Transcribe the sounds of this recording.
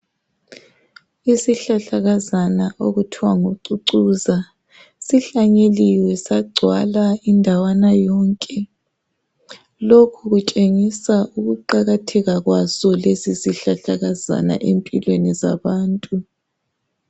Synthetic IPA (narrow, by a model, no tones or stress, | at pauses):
isiɬaɬaɣazanaʔoɣutʰiwaŋoǀuǀuza | siɬaɲeliwɛsaɡ͡ǀʱwa̰laindʱawanajɔːŋkʼɛ | lokʰuɣut͡ʃʼeŋisaʔuɣuǃaɣatʰɛɣaɣwazɔlezisiɬaɬaɣaza̰na̰ʔempʼilweniza̰βaːntʼu